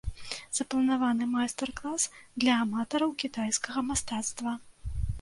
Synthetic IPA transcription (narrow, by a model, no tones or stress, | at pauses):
z̥ɐplˠɐnavanɨmajst̪ɛrklˠasd̪lʲɐːmat̪ɐɾɐwkʲit̪ajskɐɣɐmast̪at̪st̪vɐ